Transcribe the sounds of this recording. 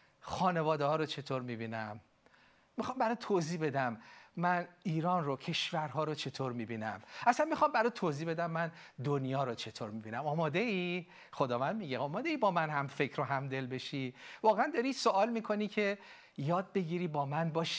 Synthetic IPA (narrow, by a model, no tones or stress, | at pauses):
xɒːne̞vɒːd̪ehɒːɾot͡ʃʰe̞t̪ʰoːɾmibiːnæmː | ixɒːmbæɾɒːt̪ʰoziːbe̞d̪æmːæniːɾɒːnrocʰe̞ʃvæɾɦɒːɾot͡ʃʰe̞t̪ʰoːɾmiːbiːnæ̰mʔæsænmixɒːmbæɾɒt̪ʰoːziːbe̞d̪æmːæn | d̪onjɒːɾot͡ʃʰe̞t̪ʰoːɾmibiːnæmɒːmɒːd̪e̞i | xod̪ɒːvænmiɟeʔɒːmɒːd̪eiːbɒːmænhæmfe̞cʰɾoɦæmd̪e̞lbe̞ʃivɒːɣeænd̪ɒːɾisoʔɒːlmiːkʰo̞nicʰe̞ | jɒːd̪̚be̞ɡiɾiːbɒːmænbɒːʃi̥